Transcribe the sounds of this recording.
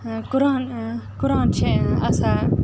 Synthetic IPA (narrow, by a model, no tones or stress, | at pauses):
kʊɾaːnkʊɾaːnt͡ʃʰẽɐsãː